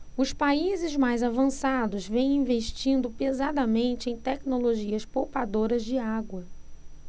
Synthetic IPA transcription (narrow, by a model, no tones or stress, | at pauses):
ʊspaizɪzmajzavɐ̃sad̪ʊzvẽj̃ĩveʃt͡ʃĩnd̪ʊpezad̪ɐmẽnt͡ʃɪẽj̃t̪ɛknoloʒiɐspowpad̪oɾɐzd͡ʒɪaɡwɐ